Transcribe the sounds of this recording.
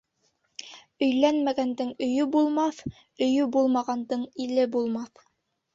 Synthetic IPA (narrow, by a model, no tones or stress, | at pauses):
ɵ̆jlænmæɡænd̪ɘŋɵ̆jɵbulˠmɑθ | ɵ̆jɵbulˠmɑʁɑnd̪ɤɴilɘbulˠmɑθ